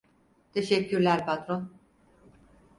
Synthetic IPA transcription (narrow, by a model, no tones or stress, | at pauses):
t̪ʰeʃɛcʰːyɾlʲæɾpʰat̪ɾon